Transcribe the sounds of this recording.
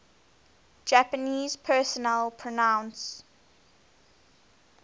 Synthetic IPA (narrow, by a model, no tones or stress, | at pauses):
d͡ʒæpəniːz̥pʰɜːˑsɔnɛlˠpʰɹɔnãʊ̃ns